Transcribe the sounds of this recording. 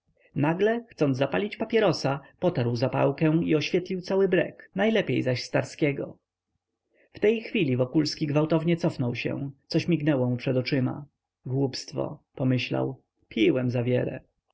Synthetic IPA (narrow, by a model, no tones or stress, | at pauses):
naɡlɛxt̪sɔnd̪zzapalʲit͡ɕpapʲjɛɾɔsapɔt̪aɾwzapa̰wkɛ̃w̃iɔɕfʲjɛt̪lʲiwtsawɘbɾɛ̰knajlɛpʲejzaɕst̪aɾskʲɛɡɔ̰ | ft̪ɛjxfʲilʲivɔkulskʲiɡvawt̪ɔvɲɛt̪sɔfnɔwɕɛ̰̃t̪sɔɕmʲiɡnɛwɔmupʂɛd̪ɔt͡ʂɘma̰ | ɡwupst̪fɔ̰pɔmɘɕla̰w | pʲiwɛmzavʲjɛlɛ̰